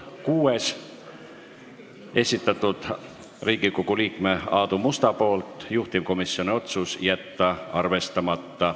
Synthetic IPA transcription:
kuːe̞s | e̞sʲit̪ːˑɑt̪ːˑud̪̥ | riːɡiɡoɡuliːkme̞ɑːd̪umust̪ɑpo̞ːlt̪ˑjuht̪imko̞misːio̞nio̞t̪susjæt̪ːɑɑrve̞st̪ɑmɑt̪ːɑ

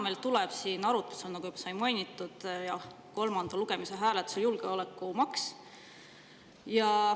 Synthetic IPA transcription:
ɑmelt̪ulɛb̥sinɑɾut̪ːˑu̥selnɑɡujybɑsɑjmɑjnʲit̪ːˑud̪̥jɑh | ko̞lmɑnd̪̥ɑluɡ̥e̞miseɦæːlet̪ːˑu̥seljulɡ̥eolekːumɑks | jɑ

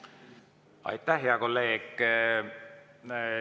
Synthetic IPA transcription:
ɑ̰jt̪ːˑæhɦeɑko̞lːeːɡ̥

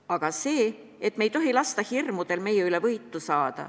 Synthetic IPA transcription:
ɑɡ̥ɑse̞ː | et̪me̞jt̪o̞ɦilɑst̪ɑhirmud̪̥e̞lme̞jeylevɤjt̪ːˑusɑːd̪̥ɑ̰

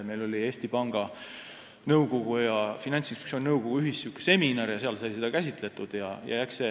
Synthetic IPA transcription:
me̞jlo̞lʲie̞ːst̪ipɑŋɡ̥ɑ | nɤwɡo̞ɡ̥ujɑfinɑnʲt̪sinspe̥ktsionʲnɤwɡ̥oɡ̥uyɦisːukːe̥se̞minɑɾjɑse̞ɑlsɑjse̞d̪ɑkæsʲit̪ˑle̞t̪ud̪̥jɑjɑ̰jækse

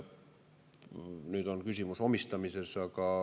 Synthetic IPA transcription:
nyt̪onkysymysomist̪ɑmisesːɑkɑˑ

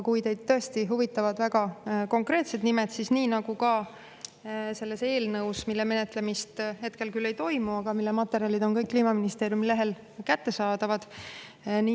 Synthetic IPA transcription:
kujt̪e̞jd̪̥t̪ːɤest̪iɦuvit̪ːˑɑvɑd̪̥væɡ̥ɑko̞ŋkrɾe̞ːt̪se̞d̪nime̞d̪̥sisniːnɑɡ̥ukɑ | se̞lːe̞se̞ːlnɤwsmilːeme̞ne̞t̪ˑle̞mist̪ɦe̞t̪ke̞lkylːe̞jt̪o̞jmuɑɡ̥ɑmilːemɑt̪ːe̞ɾiɑlid̪̥o̞nkɤjkːliːmɑminist̪e̞ːɾjumileɦe̞l | kæt̪ːe̞sɑːd̪̥ɑvɑd̪̥ | ni

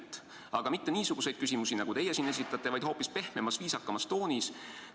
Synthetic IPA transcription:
t̪ːˑ | ɑɡ̥ɑmit̪ːe̞niːsuɡ̥use̞jd̪̥kysʲimusinɑɡ̥ut̪ejesine̞s̬ʲit̪ːˑɑt̪ˑːe̞vɑjd̪ho̞ːpːispe̞hmemɑsviːsɑkːɑmɑst̪o̞ːnis

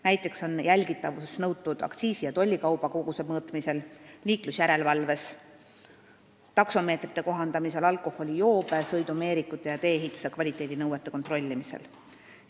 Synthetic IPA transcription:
næjt̪ˑːe̞kso̞njælʲɡit̪ːˑɑvusnɤwt̪ːud̪̥ɑ̰kt̪siːsijɑt̪o̞lʲːikɑwb̥ɑko̞ɡ̥use̞̥mɤːt̪mise̞lliːklusjæɾe̞lvɑlve̞s | t̪ɑkso̞meːt̪rit̪ːˑe̞ko̞ɦɑnd̪ɑmise̞lɑlkˑo̞ho̞lʲijo̞ːb̥esɤjd̪ume̞ːɾikːˑut̪ˑːe̞jɑt̪e̞ːeɦit̪ːˑu̥sekvɑlʲit̪ːˑe̞ːd̪inɤwet̪ːˑe̞ko̞nt̪ro̞lʲːimisḛl

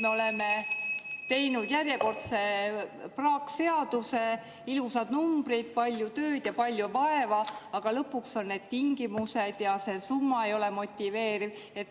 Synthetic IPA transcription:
meo̞le̞me | t̪e̞jnud̪̥jærjeko̞rt̪se̞prɑːkse̞ɑd̪̥use̞ | ilusɑd̪̥numb̥rid̪̥̚pɑlʲjut̪ø̞ːd̪̥jɑpɑlʲjuvɑe̞vɑɑɡ̥ɑlɤpːˑukso̞nːe̞ːd̪̥t̪iŋɡ̥imuse̞d̪̥jɑse̞sumːɑe̞jo̞lemo̞t̪ʲːive̞ːɾiv | e̞t̪ː

